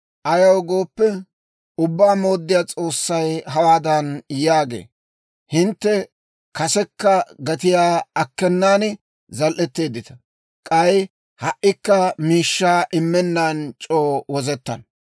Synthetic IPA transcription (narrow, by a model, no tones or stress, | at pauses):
ʔɐjɐwɡo̞ːpːɛ | ʊbːaːmo̞ːd̪ːɪjaːt͡sʼo̞ːsːɐjɦɐwaːd̪ɐnjaːɡḛː | hɪnt̪ːɛ | kɐsɛkːɐɡɐt̪̬ɪjaːɐkːɛnːaːn | zɐlʔɛt̪ːe̞ːd̪ɪt̪ɐ | kʼɐj | hɐʔːɪkːɐmiːʃːaːʔɪmːɛnːaːnt͡ʃʼoːwɔzɛt̪ːɐ̰n